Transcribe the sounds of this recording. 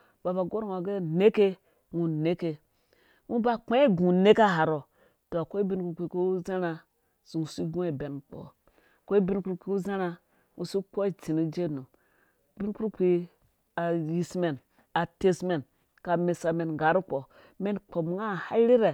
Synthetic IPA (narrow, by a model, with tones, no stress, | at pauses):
b̥a˨ba˨ɡo˦ɾŋa˨ɡe˦ne˦ke˦ | ŋu˨ne˦ke˨ | ŋu˦ba˦k͡pe˦e˦ɡũ˨ne˦ka˦ɦa˨ɾo˨ | to˨ko˦i˦bi˦nku˦ɾki˨ko˦u˦ze˦na˨ | su˨ŋu˨si˦ɡũ˦˨be˨n˨k͡po̰˨ | ko˦i˦bi˦nku˦ɾkʷi˦u˦ze˦na˦ | ŋu˨si˦k͡po˦i˦˨ti˨ni˦d͡ʒe˦˨nu˨ | b̥i˦nku˦ɾkʷi˦ | a˨ji˨sme˨n | a˨te˦sme˨n | ka˨me˨sa˨me˨nɡa˨˦ɾu˦k͡po˨ | me˦nk͡po˨bŋa˦˨ha˦ɾi˦ɾe˨